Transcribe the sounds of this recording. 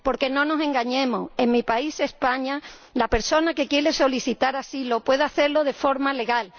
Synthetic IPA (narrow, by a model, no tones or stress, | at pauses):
po̞ɾke̞nõ̞no̞sẽ̞ŋɡaɲẽ̞moe̞ŋmipaise̞spaɲa | lape̞ɾso̞nake̞kje̞ɾe̞so̞liθit̪aɾasilo̞pwe̞ðaθe̞ɾlo̞ð̞e̞fo̞ɾmale̞ɣal